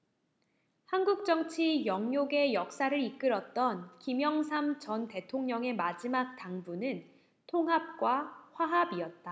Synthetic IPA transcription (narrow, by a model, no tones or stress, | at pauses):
hanɡuk̚t͡ɕ͈ʌŋt͡ɕʰijʌŋjoɡe̞jʌk̚s͈aɾɯɾik͈ɯɾʌt̚t͈ʌnkimjʌŋsʰamt͡ɕʌnte̞tʰoŋɲʌŋe̞mad͡ʑimak̚t͈aŋbunɯn | tʰoŋɦap̚k͈waɸwaɦabiʌt̚t͈a